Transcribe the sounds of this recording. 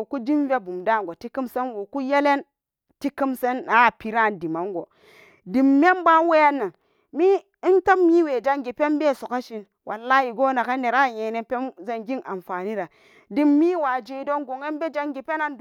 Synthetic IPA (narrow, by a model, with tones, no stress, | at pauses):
o˨ku˦di˦mve˦bu˨mda˦˨ŋ˨ɡo˨ti˦ki˦mse˦nwo˨ku˦je˦le˦n | ti˦ki˦mse˦na˨˦˨pi˨ɾa˦˨ndi˨ma˨ŋɡo˨ | di˨mːe˦mba˦n˦we˦ja˦nːa˨ŋ | mi˦ | nta˦mmi˦we˨d͡ʒa˦ŋɡi˨pe˦nbe˦˨so˨ka˦ʃi˦n | wʔa˨lːa˦ji˨ɡo˦na˨ka˦ne˨ɾa˦˨je˨ne˨pe˦mze˦nɡi˦ŋʔa˨mfa˨ni˦ɾa˨ | di˦mːi˦wa˨d͡ʒi˨do˦nɡo˨ŋe˦nbe˦d͡ʒa˦ŋɡi˨pe˦na˦n˨